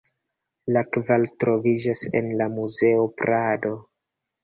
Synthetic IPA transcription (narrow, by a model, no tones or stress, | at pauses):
lakvaltɾo̞vid͡ʒase̞̰nlamuze̞opɾado̞